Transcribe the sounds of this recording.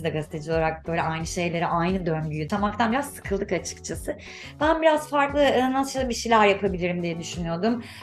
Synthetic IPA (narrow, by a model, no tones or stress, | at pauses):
d̪ɛɡazit̪ʰed͡ʒioaɾak̚bø̞jlʲɛajnɯʃe̞jlʲe̞ɾiʔajnɯd̪ønɟyjyt̪ʰamak̚t̪ʰanbiɾazsɯ̥kʰɯlˠd̪ɯkat͡ʃʰɯ̥kt͡ʃʰasɯ | bænbiɾaz̥faɾklˠɯnaɯʃaabiʃejlʲæɾjapʰabilʲiɾimd̪ijɛd̪yʃynyjo̞d̪um